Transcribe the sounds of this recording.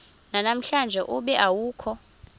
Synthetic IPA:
nanam̩ɬand͡ʒʱɛʔuɓɛʔawuːkʰɔ

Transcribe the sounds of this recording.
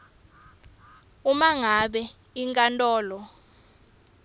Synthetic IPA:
umaŋaɓɛ | iŋkʼantʼɔːlɔ

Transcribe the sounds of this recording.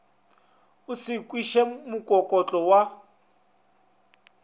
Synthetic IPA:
ʊsɪkʼwiʃɛmukʼɔkʼɔt͡ɬʼɔwa

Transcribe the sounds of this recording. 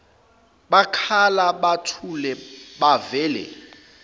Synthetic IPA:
ɓakʰalaɓatʰulɛɓavɛːlɛ̰

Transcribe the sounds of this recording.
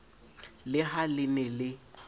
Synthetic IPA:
lɪɦalɪnɛlɪ

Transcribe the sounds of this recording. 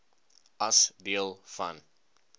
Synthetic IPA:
ɐsdiəlˠfa̰n

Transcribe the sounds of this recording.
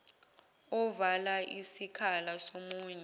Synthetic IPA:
ɔvalaʔisikʰalasomuːɲɛ

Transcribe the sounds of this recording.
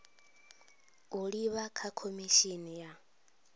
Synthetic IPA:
uɺiβakʰakʰomiʃinija

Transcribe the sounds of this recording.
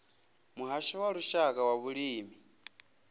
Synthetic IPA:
muɦaʃɔwaɺuʃakʼawaβuɺiːmi

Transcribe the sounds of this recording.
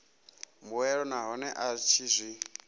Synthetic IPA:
muɛɺɔnaɦɔnɛʔat͡ʃʰizʷi

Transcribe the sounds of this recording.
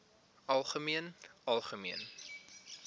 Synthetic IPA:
ʔɐlˠχəmiənɐlˠχəmiən

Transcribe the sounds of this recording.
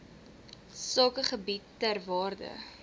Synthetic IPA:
sɑːkəχəbitːærvɑːrdə̰

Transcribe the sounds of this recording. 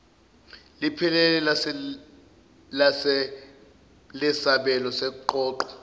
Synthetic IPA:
lipʰilɛlɛ | lasɛ | lɛsaɓɛlɔsɛk̬uǃɔːǃɔ̥

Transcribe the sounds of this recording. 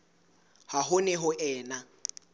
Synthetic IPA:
haɦʊnɛɦʊʔɛːna

